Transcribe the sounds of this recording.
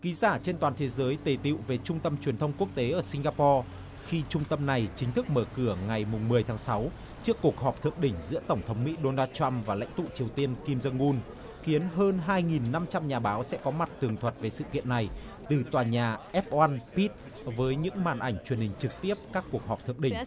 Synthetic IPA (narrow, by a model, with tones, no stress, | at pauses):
ki˨˦zaː˧˩t͡ɕe˧nt̪waː˨˩nt̪ʰe˨˦zəː˨˦jt̪e˨˩t̪ḭ˧˨wve˨˩t͡ɕʊ˧ŋ͡mt̪ə˧mt͡ɕwi˨˩ənt̪ʰə˧wŋ͡mku˦˥ək̚t̪e˨˦ʔəː˧˩sï˧ŋɣaː˧pɔ˧ | xi˧t͡ɕʊ˧ŋ͡mt̪ə˧mna˨˩jt͡ɕï˨˦ŋ̟t̪ʰɨ˦˥k̚məː˧˩kɨ˧˩əŋa˨˩jmʊ˨˩ŋ͡mmːɨ˨˩əjt̪ʰaː˨˦ŋsa˨˦w | t͡ɕɨ˦˥əkːu˨˩ək̚ɦɔ˨˩p̚t̪ʰɨ̰˧˨əŋɗï˧˩ŋ̟zɨ̰˧˥ət̪ə˧˩wŋ͡mt̪ʰə˨˦wŋ͡mmḭ˧˥ɗo˧naː˧tt͡ɕa˧mvaː˨˩la̰˧˥ŋ̟t̪ṵ˧˨t͡ɕi˨˩əwt̪i˧ənki˧mzə˧ŋʔu˧n | xi˨˦ənɦəː˧nɦaː˧jŋi˨˩nːa˧mt͡ɕa˧mɲaː˨˩ɓaː˨˦wsɛ̰˧˥kɔ˨˦ma˨˩t̚t̪ɨ˨˩əŋt̪ʰwə˨˩t̚ve˨˩sɨ̰˧˨kḭ˧˨ənːa˨˩j | t̪ɨ˨˩t̪waː˨˩ɲaː˨˩ʔɛ˦˥p̚wa˧npi˦˥t̚ | vəː˨˦jɲɨ̰˧˥ŋmaː˨˩nʔa˧˩jŋ̟t͡ɕwi˨˩ənhï˨˩ŋ̟t͡ɕɨ˨˩k̚t̪i˦˥əp̚kaː˦˥kːu˨˩ək̚ɦɔ˨˩p̚t̪ʰɨ̰˧˨əʔɗï˧˩ŋ̟